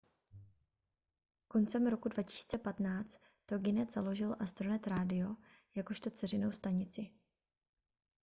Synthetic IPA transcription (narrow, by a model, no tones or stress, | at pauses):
ko̞nt͡sɛmɾo̞kudvacɪ̥si̥t͡sɛpat̪naːt͡st̪ːoɡɪnɛt̪z̥alo̞ʒɪlʔast̪ɾonɛt̪ɾaːdɪo̞ | jako̞ʃt̪o̞t͡sɛrɪno̞wst̪aɲɪt͡sɪ